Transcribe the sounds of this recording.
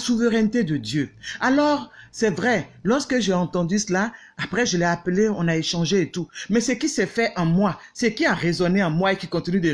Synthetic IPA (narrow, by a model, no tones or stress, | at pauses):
suvəʁɛnt̪ed̪əd̪jøalɔʁsɛvʁɛlɔʁskəʒeɑ̃t̪ɑ̃d̪ysəla | apχɛʒəlɛapəleɔ̃naeʃɑ̃ʒeːt̪umɛsəkisɛfɛʔɑ̃mwasəkiaʁezɔneɑ̃mwaekikɔ̃t̪inyd̪ə